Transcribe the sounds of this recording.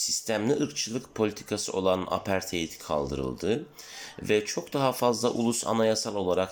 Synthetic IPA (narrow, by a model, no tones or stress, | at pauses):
sist̪ʰæmlʲiʔɯɾkt͡ʃʰɯlˠɯkpʰo̞lʲit̪ʰi̥kʰasɯo̞̰lˠana̰pʰæɾt̪ʰejit̪ʰi̥kʰa̰lˠd̪ɯ̰ɾɯ̰lˠd̪ɯvɛt͡ʃʰo̞kd̪aɦafazlˠa̰ʔṵlˠusa̰najasalˠo̞lˠaɾak